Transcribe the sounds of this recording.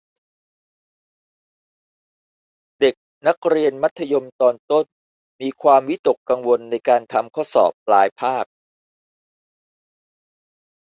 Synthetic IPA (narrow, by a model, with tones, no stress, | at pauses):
de˨˩k̚ | na˦˥k̚ɾi˧ənma˦˥t̪ʰːa˧jo˧mt̪ɔː˧nt̪o˥˩n | miː˧kʰwaː˧mwi˦˥t̪o˨˩kːa˧ŋwo˧nːa˧jkaː˧nt̪ʰa˧mkʰɔ˥˩sɔ̰ː˨˩p̚laː˩˦jpʰaː˥˩k̚